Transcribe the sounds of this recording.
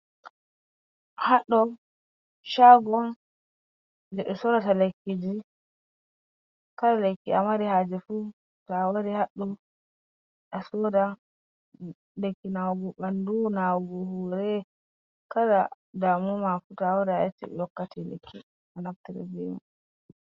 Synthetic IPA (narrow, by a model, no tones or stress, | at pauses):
haɗːɔ | ʃaɡɔn | d͡ʒɛɗɔsɔɾatalekːid͡ʒi | kaɗalekːia̰maɾihad͡ʒɛfu | tawaɾihaɗːɔ | ɗasɔda | lekːinawɡuɓandunawɡuhuɾɛ | kada | damumafutawadaat͡ʃːḭɛ̰jɔkːatʰilḛkʰːi | anaftiɾɛ̰d͡ʒimṵ